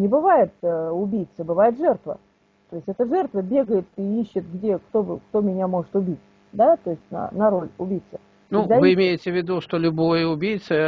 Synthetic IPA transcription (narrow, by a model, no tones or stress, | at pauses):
nʲɪbɨvajɪt̪ʊbʲijt̪səbɨvajɪt̪ʐɛrt̪və̰ | t̪o̞jɪsʲtʲɛt̪əʐɛrt̪vəbʲe̞ɡəjɪt̪iiɕːɪt̪̚ɡdʲe̞kt̪o̞bɨkt̪o̞mʲɪnʲamo̞ʐɨt̪ʊbʲitʲ | d̪at̪o̞ɪsʲtʲnɐ̰nɐɾo̞lʲʊbʲijt̪sə | nud̪avɨɪmʲejɪtʲɪvʲɪd̪uʂt̪olʲʊbojəʊbʲijt̪sɨ